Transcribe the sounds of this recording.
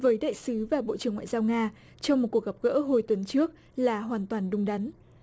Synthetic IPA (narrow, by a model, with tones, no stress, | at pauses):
vəː˨˦jɗa̰ː˧˨jsɨ˨˦vaː˨˩ɓo̰˧˨ʔt͡ɕɨ˨˩əŋwa̰ː˧˨jzaː˧wŋaː˧ | t͡ɕɔ˧wŋ͡mmo˨˩t̚ku˨˩ək̚a˨˩p̚ɣə̰ː˧˥ɦo˧jt̪wə˨˦nt͡ɕɨ˦˥ək̚ | laː˨˩ɦwaː˨˩nt̪waː˨˩nɗʊ˧ŋ͡mɗa˨˦n